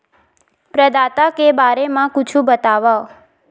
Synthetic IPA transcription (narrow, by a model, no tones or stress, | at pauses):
pɾəd̪at̪akebaɾemãkut͡ʃʰũbət̪aʋao